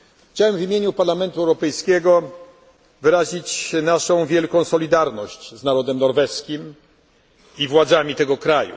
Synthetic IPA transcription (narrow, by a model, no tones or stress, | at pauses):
xt͡ɕawɛmvʲimʲjeɲupaɾlamɛnt̪uɛwɾɔpɛjskʲɛɡɔ | vɘɾaʑit͡ɕnaʂɔ̃w̃vʲjɛlkɔ̃w̃sɔlʲid̪aɾnɔɕt͡ɕznaɾɔd̪ɛmnɔɾvɛskʲim | ivwad̪zamʲit̪ɛɡɔkɾajṵ